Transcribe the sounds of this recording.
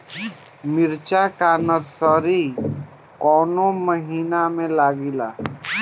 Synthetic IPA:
mɪɾt͡ʃakanəɾsɔɾi | kɔːnoməɦinamẽlaɡila̰

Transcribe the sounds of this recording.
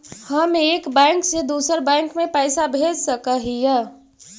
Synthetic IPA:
həmeːkbɛ̃ːŋksed̪uːsəɾbɛ̃ːŋkmẽpɛːsabʱeːd͡ʒsəkəɦijɛ

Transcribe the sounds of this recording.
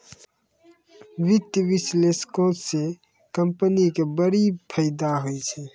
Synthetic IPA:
ʋɪt̪jəbɪsleskotse | kəmpənikebəɾipʰəjd̪aɦojt͡ʃʰɛ

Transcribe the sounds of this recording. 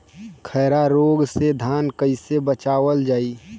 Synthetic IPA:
kʰɛːɾaɾoːɡsed̪ʱaːnkəisebət͡ʃaːʋəld͡ʒaːiː

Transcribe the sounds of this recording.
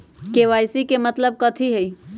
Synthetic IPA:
keʋajsikemət̪ləb̚kət̪ʰiɦej

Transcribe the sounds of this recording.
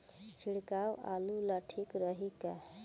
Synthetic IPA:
t͡ʃʰiɽkawa̰lulaʈʰikɾəɦika

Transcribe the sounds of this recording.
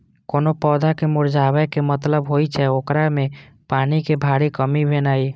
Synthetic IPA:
koːnopɔːd̪akemʊɾd͡ʒaːwɛkemət̪ləbɦoːit͡ʃʰɛoːkɾamẽ | paːnikebʱaːɽikəmibʱenaːi

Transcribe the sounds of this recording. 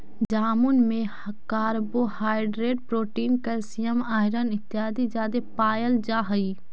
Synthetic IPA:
d͡ʒaːmʊnmẽ | kaːɾboːhaːɪɖɾeːɖpɾoːʈiːnkəlsijəmaːɪɾənɪt̪ːɪaːd̪id͡ʒaːd̪epaːjəld͡ʒaːɦɐiː

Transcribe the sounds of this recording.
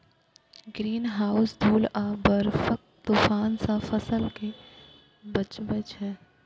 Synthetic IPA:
ɡɾiːnɦaːʊsd̪ʱuːlaːbəɾfək̚ | t̪uːfaːnsafɐsəlke | bɐt͡ʃbət͡ʃɦɛː

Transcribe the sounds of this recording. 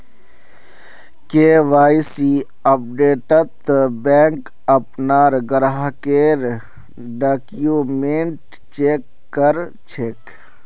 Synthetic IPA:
keːʋaːjsi | ɐp̚ɖeːʈət̪bɛːŋk | əpnaːɾɡəɾɦkeːɾ | ɖakjumeɳʈ | t͡ʃeːkːəɾ | t͡ʃʰeːk

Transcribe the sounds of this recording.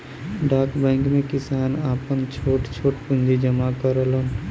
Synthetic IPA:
ɖaːkbɛ̃ŋkmẽkɪsaːnaːpənt͡ʃʰoːʈt͡ʃʰoːʈpʊ̃nd͡ʒid͡ʒəmakəɾələn

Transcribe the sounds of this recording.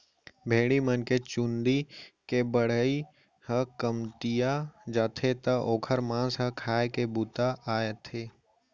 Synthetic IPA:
bʱeːɽimənket͡ʃũnd̪ikebəɽ̤əi | hə̃kəmʈ̪ijad͡ʒaːt̪ʰet̪əʔoːkʰəɾmãːsɦə̃kʰaːekebuːt̪aʔaːet̪ʰeː

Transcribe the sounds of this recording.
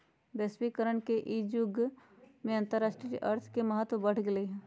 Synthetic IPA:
bɛːswikəɾəɳkeʔid͡ʒʊɡ | mẽɐ̃nt̪əɾːaːʃʈɾiʔɐɾt̪ʰkemɐɦət̪wəbɐɽ̤ɡɪleɦɛ̃ː

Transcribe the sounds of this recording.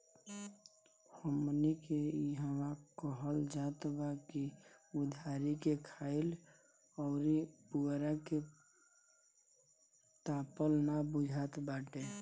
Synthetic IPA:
homnikeiɦəwãkəɦəld͡ʒat̪bakiud̪ʱaɾikekʰaɪl | ɔːɾipuɡɾake | t̪apəlnabud͡ʒʱat̪baʈe

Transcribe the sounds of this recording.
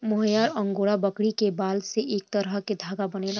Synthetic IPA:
mʊɦəjaːɾə̃ŋɡoːɽabəkɽikebaːlseʔeːk̚t̪əɾəɦked̪ʱaːɡabənel

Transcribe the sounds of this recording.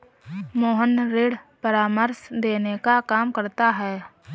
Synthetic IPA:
moːɦənɾeːɽpəɾaːməɾsd̪eːnekakaːmkəɾt̪aɦɛː

